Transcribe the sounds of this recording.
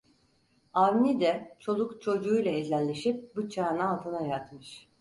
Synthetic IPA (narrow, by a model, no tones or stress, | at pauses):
avnid̪ɛt͡ʃʰo̞lˠukt͡ʃʰo̞d͡ʒuːjlˠaezʲælʲːe̞ʃip̚but͡ʃʰaːnaalˠt̪ʰɯnajat̪mɯʃ